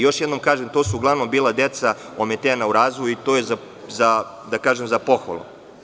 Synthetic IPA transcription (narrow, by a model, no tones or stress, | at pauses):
jo̞ʃjed̪nomkaːʒemt̪osuuɡlˠaʋnombiːlˠad̪e̞t̪sa | omet̪eːnauɾaːzʋojuit̪oːjeza | za | d̪akaːʒemzapo̞xo̰lˠo̰